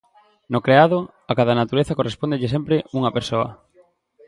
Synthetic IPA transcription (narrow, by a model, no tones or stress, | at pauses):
nokɾeaðʊ | akaðɐnat̪uɾeθakorespond̪eʎɪsɛmpɾeuŋɐpeɾsoɐ̰